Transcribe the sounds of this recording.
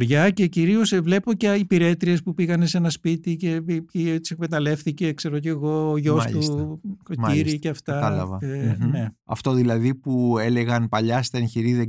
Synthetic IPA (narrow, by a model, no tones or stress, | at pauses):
ɾʝɐce̞ciɾio̞svle̞po̞ceipiɾe̞t̪ɾie̞spupiɣɐnesenɐspit̪ice̞pipit̪i̥sekmet̪ɐle̞fθice̞kse̞ɾoceɣo̞ːʝo̞ssʎustkomiɾiceɐft̪ɐɐlɐvɐne̞ɐ̰ft̪o̞ðilɐðipueleɣɐnpɐʎɐst̪ɐençiɾiðe